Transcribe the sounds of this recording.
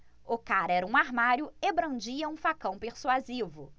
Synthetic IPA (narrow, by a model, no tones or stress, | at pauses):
ʊkaɾɛɾɐũaɾmaɾjʊebɾɐ̃d͡ʒiɐũfakɐ̃w̃peɾsuazivʊ